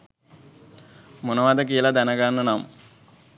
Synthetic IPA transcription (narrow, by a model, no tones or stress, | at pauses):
munɐʋaːd̪ɐk̬ijlad̪ɐnɐɡaːnːɐnam